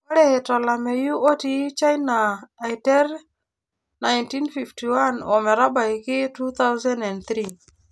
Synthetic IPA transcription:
wa˦ɾe˦he˨tɔ˨la˨me˨ju˦ʔo˦ti˨˦t͡ʃa˦jnaː˨jtɛ˦ɾ | na˨jnti˦nfi˨fti˨wa˦nɔ˨mɛ˨ɾa˦ba˨jki˦tu˦t̪a˦wza˦nɛ˨nt̪ɾi˦

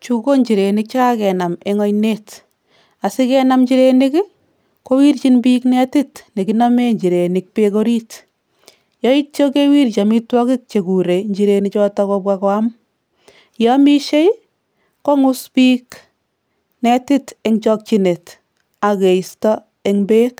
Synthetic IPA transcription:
t͡ʃuko˦ɲt͡ʃi˨ɾe˨nɪk̚t͡ʃaka˦kɛ˨na˨me˦ŋɔ˦jnet | a˨sɪ˦kɛnamɲt͡ʃiɾenɪk | kowi˦ɾt͡ʃinbiknɛ˦tɪtne˨kinɔ˦me˦ɲd͡ʒi˨ɾe˨nɪk̚pekoɾit | jɔ˦i˦t͡ʃo˦kewi˦ɾt͡ʃa˨mitwɔ˦kɪ˦k̚t͡ʃe˨ku˨ɾe˨ɲd͡ʒiɾe˨nit͡ʃɔtɔkɔbwakɔam | jɔmi˦ʃe˦j | kɔ˦ŋʊ˦spiːk | nɛ˦ti˦teŋt͡ʃɔk̚t͡ʃine˨t | a˨ke˨istɔ˦ | eŋbe˦k

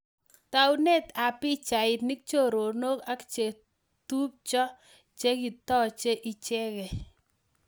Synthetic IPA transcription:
ta˨wne˦ta˨pɪ˦t͡ʃa˨ɪ˨t̪ni˦k̚t͡ʃo˦˨ɾo˨no˦ka˦kt͡ʃe˨ | tu˦p̚t͡ʃɔ˦ | t͡ʃe˦ki˨t̪ɔ˦t͡ʃe˦ʔi˦t͡ʃɛ˦kɛ˨

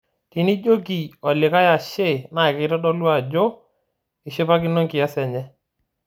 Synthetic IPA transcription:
ti˨ni˦d͡ʒo˦k̬i˨ɔ˨lɪ˨ka˦ja˨ʃe˦˨na˨ɪ˨kɪ˨˦ɾɔ˦dɔ˦lwa˦˨d͡ʒo˦ | ɪ˨ʃɪ˦pa˦k̬ɪ˦nɔ˦ŋkɪ˨ja˦sɛ˨ɲɛ˦

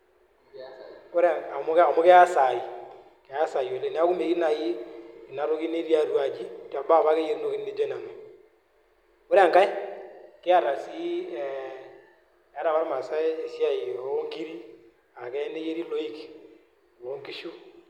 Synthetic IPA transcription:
kʊ˦ɾa˨a˨mʊ˦ka˨mʊ˦kɛ˦a˦sa˨i˨ | kɛ˨a˦sa˨i˨o˨le˨n˦a˦ku˦me˨ki˦na˨ji˦i˨na˨ɾo˦ki˦ne˦ɾi˦a˦ɾu˦a˨d͡ʒi˦˨ta˨ba˦˨βa˦ke˦je˦ɾno˦ki˦nne˦d͡ʒo˦na˨no˨ | kʊ˦ɾɛ˦a˨ŋka˦ɪ˦kɪ˦a˦ɾa˨si˦ɛ˨ | a˦ɾa˨wa˦ɾma˨sa˦e˨si˦a˨ji˨o˨˦ŋɡi˦ɾi˦ | a˨kɛ˦ne˦je˦ɾi˦lo˦i˦k | wo˨˦ŋɡi˦ʃu˦

